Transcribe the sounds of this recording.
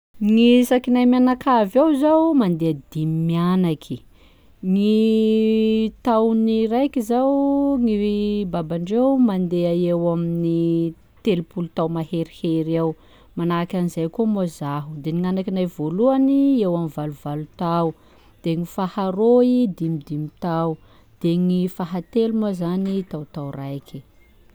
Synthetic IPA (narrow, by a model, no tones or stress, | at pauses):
ŋisakinajmjanakavawzawmand̪ead̪imimianakʰi | ŋi | t̪awniɾajkizawŋibabaɳɖ͡ʐewmand̪eaewamini | t̪elupulut̪awmaɦeɾiheɾaw | manakʲanizajkomozaɦud̪eniŋanakinajvoluaniewamivaluvalut̪aw | d̪̥eŋifahaɾoid̪imid̪imit̪aw | d̪̥eŋifaɦat̪elumazanit̪awt̪awrajkʲʰi̥